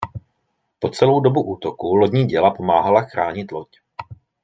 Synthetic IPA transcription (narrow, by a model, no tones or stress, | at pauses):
po̞t͡sɛlo̞wdobuʔuːt̪o̞kuloɟɲiːɟɛlapo̞maːɦalaxɾaːɲɪt̪lo̞c